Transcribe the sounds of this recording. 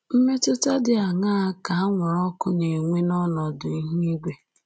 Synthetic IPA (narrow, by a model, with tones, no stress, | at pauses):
m̩˦me˦tʊ˦ta˦dɪ˨a˨ŋa˦a˦ka˨a˦ŋʷɔ˨ɾɔ˦kʊ˦ne˨ŋʷe˦nɔ˦nɔ˨dʊ˨i˦ɦu˦i˦ɡʷe˦